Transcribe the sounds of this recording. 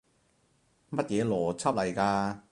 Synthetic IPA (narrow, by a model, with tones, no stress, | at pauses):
mɐ˥t̚jɛː˨˧lɔː˨˩t͡sʰɐ˥p̚lɐ˨˩jkaː˧